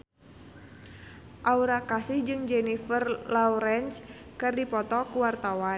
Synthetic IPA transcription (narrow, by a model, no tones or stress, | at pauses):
ʔauɾakasihd͡ʒɨŋd͡ʒɛnifərlauɾɛns | kɨrdipɔt̪ɔkuwart̪awa